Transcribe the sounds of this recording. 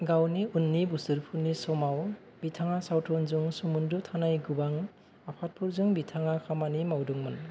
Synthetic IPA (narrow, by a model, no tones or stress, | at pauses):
ɡawniunːibusɯɾpʰuɾnisɔmaw | bitʰaŋasawtʰɔnzuŋsumundɯtʰanajɡubaŋ | apʰat̚pʰuɾzɯŋbitʰaŋakʰamanimawdɔŋmɯn